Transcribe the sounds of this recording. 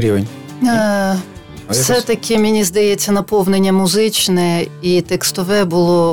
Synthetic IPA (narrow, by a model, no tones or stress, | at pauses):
ɾʲiʋḛnʲ | wsɛt̪ɐkʰʲɪmʲenʲizd̪ɐjɛt͡sʲːɐnɐpɔwnenʲːɐmʊzɪt͡ʃnɛit̪ɛkst̪ɔʋɛbʊlˠɔ